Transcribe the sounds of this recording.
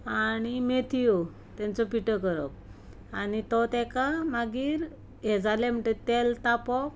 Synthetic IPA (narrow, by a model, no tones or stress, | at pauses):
añimet̪ʰijo | t̪ɛ̃nt͡sɔpiʈəkəɾɔ̰k̚ | anit̪ɔt̪ɛkamaɡiːɾ | ɦɛd͡zalɛ̃m̤əɳʈet̪ɛlt̪apɔk